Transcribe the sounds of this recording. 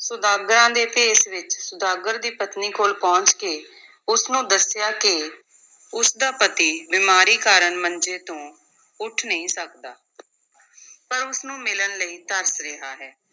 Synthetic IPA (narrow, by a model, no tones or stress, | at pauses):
sʊd̪aːɡɾãːd̪eːpʰeːsʋɪt͡ʃsʊd̪aːɡəɾd̪iːpət̪niːkʰoːlpɔ̃ːɲt͡ʃkeː | ʊsnũːd̪əsjaːkɪ | ʊsd̪aːpət̪iːbiːmaːɾiːkaːɾənmənd͡ʒeːt̪õː | ʊʈʰnəĩːsəkd̪aː | pəɾʊsnũːmɪlənləiːt̪əɾsɾɪɦaːɦɛː